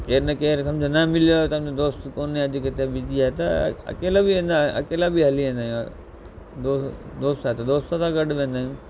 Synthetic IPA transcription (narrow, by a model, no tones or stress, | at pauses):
keːɾnɐkeːɾt̪ɐmd͡ʑonamɪljot̪ɐmd͡ʑod̪oːst̪koːnːeɐd͡ʒikət̪ebid͡ʒiaɦet̪ɐ̰ɐ̰keːlabʱiʋẽːnd̪ãːɐ̰keːlabʱiɦɐliʋẽːnd̪aːjũ | d̪oːd̪oːst̪aɦet̪ɐd̪oːst̪at̪ãɡɐɖʋẽːnd̪aːjũ